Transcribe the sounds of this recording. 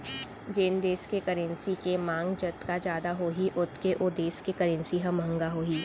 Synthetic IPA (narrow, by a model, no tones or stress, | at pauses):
d͡ʒend̪eːskekəɾə̃nsikemãːŋɡd͡ʒɐt̪kad͡ʒjaːd̪aɦoːɦiʔʊt̪ʰkeʔʊd̪eːskekəɾə̃nsiɦɐ̃mə̃ŋɡaɦoːɦiː